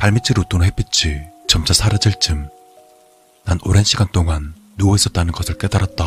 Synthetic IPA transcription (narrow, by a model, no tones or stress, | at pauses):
paɭmit͡ɕ͈ʰiɾot͈onɯɦepʰit͡ɕʰit͡ɕʌmt͡ɕ͈ʰasʰaɾɯd͡ʑiɭt͡ɕ͈ɯm | nanoɾenɕʰiɡant͈oŋanː | uɡʌis͈ʌt̚t͈anɯnɡʌsʰɯɭk͈e̞daɾat̚t͈a